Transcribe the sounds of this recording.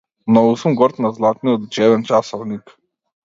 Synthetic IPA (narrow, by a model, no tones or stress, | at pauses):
mnɔɡusumɡɔɾt̪nazlˠat̪nijɔt̪d͡ʒɛvɛnt͡ʃasɔvnik